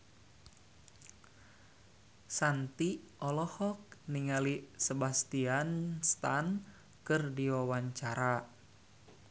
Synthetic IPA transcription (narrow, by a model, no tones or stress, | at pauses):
sant̪iʔɔlɔhɔk̚niŋalisəbast̪ianst̪an | kɨrdiwawaɲt͡ʃaɾa